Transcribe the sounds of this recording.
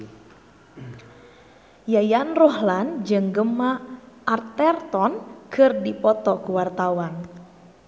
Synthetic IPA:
jajanrɔhland͡ʒɨŋɡəmaʔart̪ɛrt̪ɔnkʰɨrdipɔt̪ɔkuwart̪awan

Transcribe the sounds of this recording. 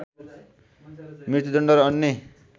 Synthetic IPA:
mit̪ud̪ʌɳɖʌɾʌnːe

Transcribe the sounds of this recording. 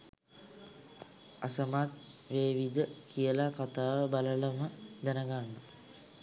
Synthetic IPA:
asəmat̪̚ʋeːʋid̪əkʰijəlakat̪aːʋəbalələməd̪ænəɡaɳːə

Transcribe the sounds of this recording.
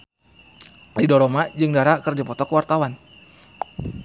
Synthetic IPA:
lidɔɾomad͡ʒɨŋdaɾakɨrdipɔt̪ɔkəwart̪awan

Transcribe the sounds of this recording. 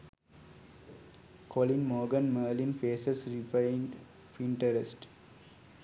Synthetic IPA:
kʰolĩnmoːɡə̃nməːlĩnfeːsəsɾif | fĩɳʈəɾesʈ

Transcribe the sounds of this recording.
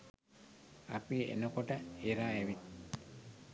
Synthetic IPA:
a̰piḛnəkoʈəeɾaːeʋi

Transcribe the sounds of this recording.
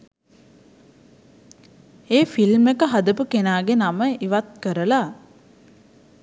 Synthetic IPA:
eːfilmekəɦad̪əpukenaːɡenaməiʋat̪̚kəɾəla

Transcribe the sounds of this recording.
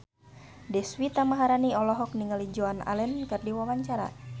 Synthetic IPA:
dɛswit̪amaɦaɾaniɔlɔɦɔk̚niŋəlid͡ʒoana̰lɛnkɨrdiwawaɲt͡ʃaɾa̰

